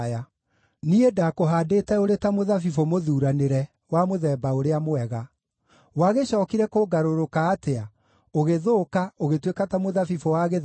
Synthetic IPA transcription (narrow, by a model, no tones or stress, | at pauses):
ja | niedakoɦaːdetɛoɾetamoðafifomoðuːɾaneɾɛ | wamoðɛːbaoɾeamoɛɣa | waɣeɕɔːkiɾɛkoɡaɾoɾokaːtea | oɣeðoːkaoɣetwekatamoðafifowaɣe